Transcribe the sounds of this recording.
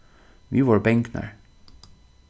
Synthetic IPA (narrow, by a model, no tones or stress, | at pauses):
ʋiːʋoːɹbɛŋknə̰ɹ